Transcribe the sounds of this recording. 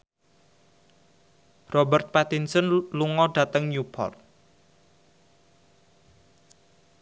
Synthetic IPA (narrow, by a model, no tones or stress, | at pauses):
rɔbərt̪̚pat̪insənluŋɔɖ̥ä̤t̪əŋjupʰɔ̰rt̪̚